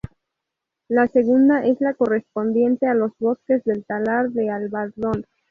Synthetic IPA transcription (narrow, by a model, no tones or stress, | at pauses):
lase̞ɣund̪aʔe̞zlako̞re̞spo̞nd̪je̞nt̪e̞alo̞zβo̞ske̞zðe̞lt̪alaɾðe̞alβaɾðo̞n